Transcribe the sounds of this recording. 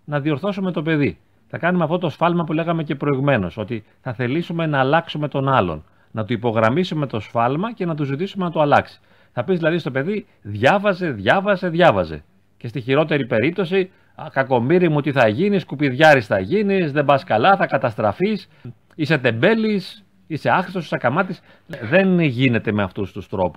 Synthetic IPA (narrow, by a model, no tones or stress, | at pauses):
nɐðio̞ɾθo̞sume̞t̪o̞pe̞ði | θɐkɐnumeɐft̪ot̪o̞sfɐlmɐpule̞ɣɐme̞ce̞pɾo̞iɣume̞no̞̰so̞t̪i | θɐθe̞lisume̞nɐːlɐksume̞t̪o̞nɐlo̞̰n | nɐt̪uipo̞ɣɾɐmisume̞t̪o̞sfɐlmɐce̞nɐt̪uzit̪̬isume̞nɐt̪oɐlɐksi̥ | θɐpizðilɐðist̪o̞pe̞ði | ðʝɐvɐze̞ðʝɐvɐze̞ðjʝɐvɐze̞̰ | ce̞st̪içiɾo̞t̪e̞ɾipe̞ɾip̚t̪o̞si | kɐko̞miɾimut̪iθɐʝiniskupiðʝɐɾisθɐʝinizðe̞bɐskɐlɐθɐkɐt̪ɐst̪ɾɐfis | ise̞t̪e̞mbe̞lis | ise̞ɐxɾist̪osisɐkɐmɐt̪is | ðe̞nʝine̞t̪e̞me̞ɐft̪ust̪ust̪ɾo̞pu̥s